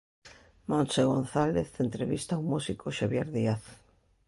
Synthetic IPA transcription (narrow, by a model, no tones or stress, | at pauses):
monseɣ̞onθaleθent̪ɾeβist̪aːwmusikoʃaβjeɾðiaθ